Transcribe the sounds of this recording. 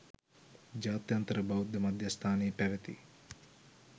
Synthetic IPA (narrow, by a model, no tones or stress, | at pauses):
d͡ʒaːt̪jɐnt̪ɐɾɐbʱɐwud̪ʱjɐmɐd̪ʱjɐst̪ʰaːniːpɐʋɐt̪ḭ